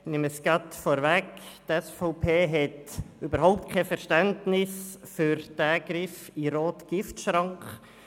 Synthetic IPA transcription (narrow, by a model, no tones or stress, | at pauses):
nɪməsɡɑtfɔɾvɛktɛsfɔʊpʰeːɦɛtyːbəɾɦɔʊp̚t̚kʰɛfɛɾʃtɛndnɪsfyɾd̥æɡ̥ɾɪfiɾoːtɡ̥ɪftʃɾɑŋkχ